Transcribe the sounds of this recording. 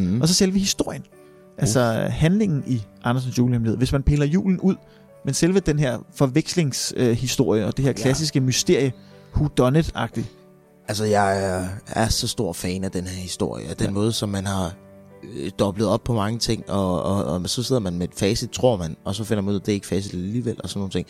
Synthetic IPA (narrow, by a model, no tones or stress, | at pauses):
ɒ̽sɒ̽selʋəhisd̥o̝ɐ̰jən | ʔælsɒhænle̝ŋn̩iʔɑ̈nɐs̬n̩sjṵːləemle̝ð̰ˠʋe̝smænpʰe̝̰ːlɐjṵːln̩uð̰ˠ | menselʋəd̥enɦeɐ̰fɒ̽ʋeɡ̥sle̝ŋsøhisd̥o̝ɐ̰jəɒ̽d̥e̝heɐ̰kʰlæsisɡ̥əmysd̥e̝ɐ̰jə | hud̥ɒ̽nəd̥ˠɑ̈ɡ̥̚d̥i | ʔælsɒjɑ̈ɪæɐsɒ̽sd̥o̝ɐ̰fɛːnæd̥enheɐ̰hisd̥o̝ɐ̰jəd̥enmɔ̽ːð̞ˠsɒ̽mːænhɑ̈ | d̥ɒ̽b̥ləð̞̩ˠɒ̽b̥̚pʰɒ̽mɑ̈ŋət͡sʰe̝ŋ̰ɒ̽sɒ̽se̝ð̰ˠɐmænmed̥fɛːsid̥̚t͡sʰʁo̝ɐ̰mænɒ̽sɒ̽fenɐmænuð̰ˠæd̥e̝eɡ̥fɛːsid̥æliːʋel̰ʔɒsɒnːo̝ːn̩t͡sʰe̝̰ŋ̰